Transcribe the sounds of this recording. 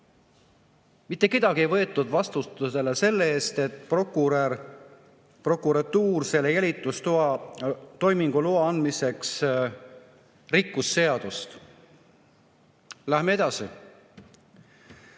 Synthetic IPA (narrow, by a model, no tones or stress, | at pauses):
mit̪ːˑe̞ke̞d̪̥ɑɡ̥iejvɤ̞e̞t̪ːˑud̪̥vɑst̪ut̪use̞lese̞lːee̞ːst̪e̞t̪ːˑpokuɾ | pro̞kuɾɑt̪uːrse̞lːejælʲit̪ːˑust̪uɑt̪o̞jmiŋɡ̥uloɑɑnd̪̥mise̞ks | rikːusːe̞ɑd̪̥ust̪ | læhmeed̪̥ɑsḭ